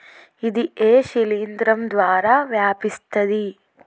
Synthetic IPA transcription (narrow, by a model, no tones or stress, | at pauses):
id̪iʔeːʃiliːnd̪ɾɐmd̪ʋaːɾaʋjaːpist̪ɐd̪i